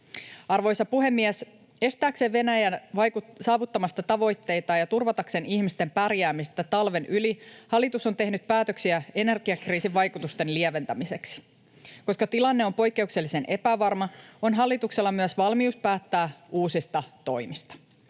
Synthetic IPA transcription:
ɑrʋo̞jsɑpuɦe̞mːiɛs | e̞st̪æːkse̞ːʋʋe̞næjænʋɑusɑːʋut̪ːɑmɑst̪ɑt̪ɑʋo̞jt̪ːe̞jt̪ɑːjɑt̪urʋɑt̪ɑkseniçmist̪e̞mpærjæːmist̪æt̪ɑlʋe̞nʔylihɑlːˑit̪uso̞nt̪e̞ɦnyt̪̚pæːt̪øksiæe̞ne̞rɡ̥iɑkriːsiʋʋɑjkut̪ust̪e̞nlieʋe̞nt̪æmise̞ksi̥ | ko̞skɑt̪ilɑnːe̞o̞mpo̞jkːe̞ukse̞lːise̞nʔe̞pæʋɑrmɑo̞nɦɑlːit̪ukse̞lːɑmyæsʋɑlmiuspæːt̪ːæːuːsist̪ɑt̪o̞jmist̪ɑ̥

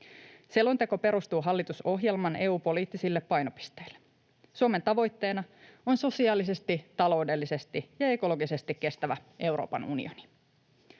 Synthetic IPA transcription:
selːont̪eko̞pe̞ɾust̪uːɦɑlːit̪uso̞ɦje̞lmɑne̞ːuːpo̞liːt̪ːisilːe̞pːɑjnopi̥st̪eil̥ːe | suome̞nt̪ɑʋo̞jt̪ːe̞ːnɑo̞nso̞siɑːlise̞st̪it̪ɑlo̞wde̞lːise̞st̪ijɑe̞ko̞lo̞ɡisest̪ikːe̞st̪æʋæe̞wɾo̰ːpɑ̰nunḭoni̥

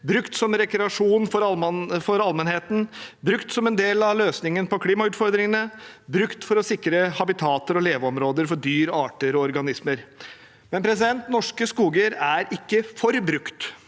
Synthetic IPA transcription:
bɾʉkt̪sɔmɾɛkɾɛɑʂuːnfɔɾɑfɔɾɑlmɛnheːt̪n̩bɾʉkt̪sɔmɛnd̪eːlɑʋløːsnɪŋənpɔkʰliːmɑʉːt̪fɔɾd̪ɾɪŋənəbɾʉkt̪fɔɾɔsɪkːɾəhɑbɪt̪ʰɑːt̪əɾɔleːʋəɔmɾoːd̪əɾfɔɖyːɾɑːʈəɾɔɔɾɡɑnɪsməɾ | mɛnpʰɾɛs̬ɪd̪ɛnt̪nɔʂkəskuːɡəɾæɾɪkːəfɔɾbɾʉkt̪

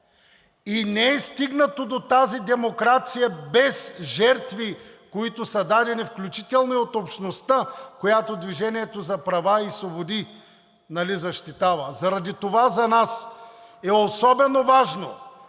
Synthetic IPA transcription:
inɛɛst̪iɡnət̪od̪ot̪azid̪ɛmokɾat̪sijəbɛsʒɛɾt̪vikoit̪ʊsɐd̪ad̪ɛnifklʲut͡ʃit̪ɛlˠnoiot̪opʃnost̪akojat̪od̪viʒɛniɛt̪ozɐpɾɐvaisvˠobod̪i | nɐlizɐʃt̪it̪avɐzɐɾɐd̪it̪ovazɐnasɛosɔbɛnovaʒno̰

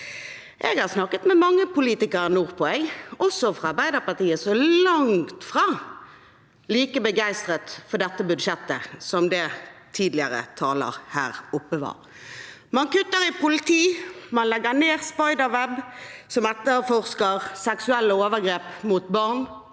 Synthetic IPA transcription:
ʔɛɡhɑʁsnɑkːət̪mɛmɑŋːəpʊliːt̪ɪkəɾnuːʁpʰɔɛɡʔɔsɔfɾʁɑɑɾbæɪd̪əpɑʁt̪iːəsɔlɑŋt̪fʁɑː | liːkəbəɡæɪst̪ʁət̪fɔɖɛt̪ːəbʉd̪ʃɛt̪ːəsɔmd̪ɛt̪ʰiːd̪lɪəʁə̰t̪ʰɑːlə̰ʁhæ̰ːʁʊpːəʋɑ̰ːʁ | mɑnkʉt̪ːəɾɪpʰʊlɪt̪ʰiːmɑnlɛɡəneːʁspɑɪd̪əʋɛbsɔmɛt̪ːəfɔʁskəʁsɛksʉɛlːəoːʋəɡɾeːpmut̪bɑʁn

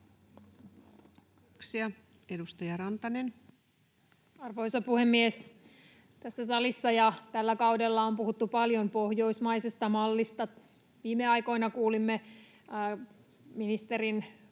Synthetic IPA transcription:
ksiɑ | edust̪ɑjɑɾɑnt̪ɑnen | ɑrʋoisɑpuhemːies | t̪æsːæsɑlisːɑjɑt̪ælːækɑudelːɑompuhut̪ːupɑljompo̞hjo̞jsmɑisest̪ɑmɑlːist̪ɑ | ʋiːmːeɑjko̞inɑkuːlimːe | minist̪eɾin

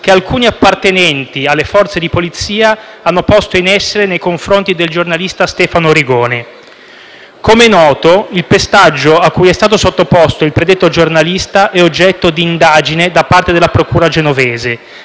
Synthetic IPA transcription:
k̟ealkuːniapːart̪enɛnt̪ialːefɔrt̪sed̪ipolit̪sːiːa | anːopɔst̪oinɛsːeɾenejkoɱfɾont̪id̪eld͡ʒornalist̪ast̪ɛːfanoɾiɡoːne | komenɔːt̪oilpest̪ad͡ʒːoakːujɛst̪aːt̪osot̪ːopost̪oilpɾed̪et̪ːod͡ʒornalist̪aʔɛod͡ʒːɛt̪ːod̪iːnd̪aːd͡ʒined̪apːart̪ed̪elːapɾokuːɾad͡ʒenovɛːze

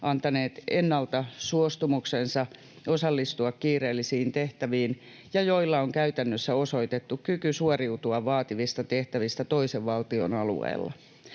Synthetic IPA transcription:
ʔɑnt̪ɑneːt̪enːɑlt̪ɑsuost̪umuksensɑ | osɑlːist̪uɑkkiːreːlːisiːnt̪eht̪æʋiːn | jɑjoilːɑoŋkæyt̪ænːøsːæoso̞it̪et̪ːukkykysuoriut̪uɑʋʋɑːt̪iʋist̪ɑt̪eht̪æʋist̪æt̪oiseʋʋɑlt̪io̰nɑlṵḛːlːɑ̰

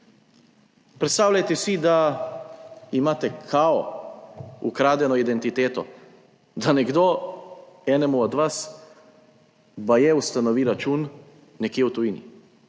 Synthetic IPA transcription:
pɾɛt̪st̪aːwlʲajt̪ɛsid̪a | imaːt̪ɛkʰaɔ | ukɾaːd̪jɛnɔid̪ɛnt̪it̪eːt̪ɔ | d̪anɛɡd̪o | ɛːnɛmuɔd̪ʋas | bajɛust̪anɔʋiɾat͡ʃunː | ɛkjeɛwt̪ujiːnḭ

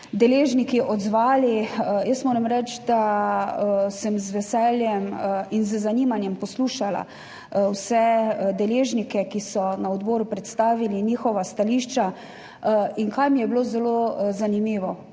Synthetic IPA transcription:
d̪ɛleːʒnikiʔɔd̪zʋaːliəjəst̪moːɾɛmɾɛt͡ʃd̪a | səmzʋɛsɛljɛminzzaniːmanjɛmpɔsluːʃala̰ | wsɛd̪ɛleːʒnikɛkisɔnaɔd̪bɔːɾupɾɛt̪st̪aːʋiliniːxɔʋast̪aliʃt͡ʃa | iŋkajmijɛbloːzɛlozanimiːʋɔ

